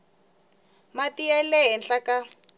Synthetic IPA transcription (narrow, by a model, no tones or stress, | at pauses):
matiɛlɛɦɛnɬaka